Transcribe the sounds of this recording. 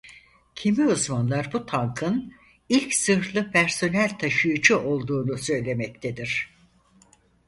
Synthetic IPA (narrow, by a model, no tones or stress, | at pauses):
cʰimiuzmanlˠaɾbut̪ʰaŋkʰɯn | ilʲcsɯɾflˠɯpʰæɾso̞nælʲt̪ʰaʃɯjɯd͡ʒuʔo̞lˠd̪uːnusø̞jlʲe̞mɛc̚t̪ʰed̪iɾ̥